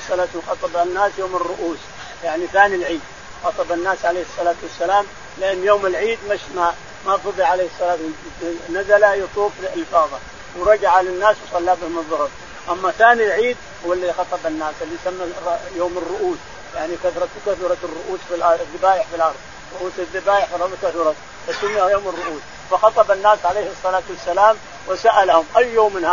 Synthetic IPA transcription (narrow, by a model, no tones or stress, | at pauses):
sˤːɑlaːt̪ːnxɑt̪ˤɑbanːaːsjoːmɪrːʊʔuːs | jaʕniθaːnilʕiːd̪̚ | xɑt̪ˤɑbanːaːsʕaleːhɪsˤːɑlaːt̪wasːalaːm | lɪʔanːjoːmɪlʕiːd̪maʃma | mafɑðˤːiʕaleːhɨsˤːɑlaːt̪ | nazalajɑt̪ˤuːfliʔɪlfɑːðˤɑ | wɾˤɑd͡ʒaʕalanːaːswsˤɑlːaːbɪhʊmɨðˤːʊhʊbˤ | ʔamːaθaːnilʕiːd̪ | hʊwːalːaðixɑt̪ˤɑbanːaːsɪlːijsamːajoːmɪrːʊʔuːs | jaʕnikaθɾˤɑt̪kaθɾˤɑt̪ɪrːʊʔuːsfilʔɑðːɪbaːjɪħfilʔɑɾˤðˤ | ɾˤʊʔuːsɪðːɪbaːjɪħfiɑkaθʊɾˤɑt̪ | fasʊmːɪhajoːmɪrːʊʔuːs | fɑxɑt̪ˤɑbanːaːsʕalejhɨsˤːɑlaːt̪wasːalaːm | wɪsaʔalahʊmʔajːoːmːɪnha